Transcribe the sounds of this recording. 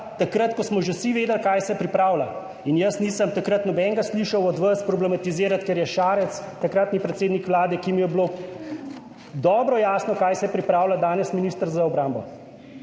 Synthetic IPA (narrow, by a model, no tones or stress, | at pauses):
t̪akɾət̪kɔsmɔʒesiʋeːd̪ɛlkaːjsɛpɾipɾaːwla | injɐsniːsəmt̪akɾət̪nɔbɛŋɡasliːʃɐwɔd̪ʋɐspɾɔblɛmat̪iziːɾat̪kɛɾjɛʃaːɾɛt̪st̪akɾat̪nipɾɛt̪seːd̪nikʋlaːd̪ɛkimijɛblo | d̪ɔːbɾɔjaːsnɔkajsɛpɾipɾaːwlad̪aːnɛsminiːst̪əɾzaɔbɾambɔ